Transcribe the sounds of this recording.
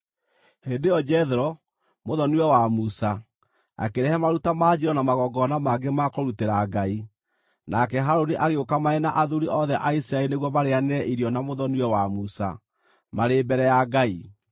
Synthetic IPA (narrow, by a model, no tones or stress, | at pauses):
hendejɔd͡ʒɛðɛɾɔ | moðɔniwɛwamusa | a̰keɾɛhɛmaɾutamaːd͡ʒiɾɔnamaɣɔɡɔnamaɡemakɔɾuteɾaɡai | nakɛɦaɾoniʔaɣeokamaɛnaʔaðuɾiʔɔðɛʔaisiɾaeɾineɣwɔmaɾeanɛʔiɾjɔnamoðɔniwɛwamusa̰ | maɾeːbɛɾɛjaɡai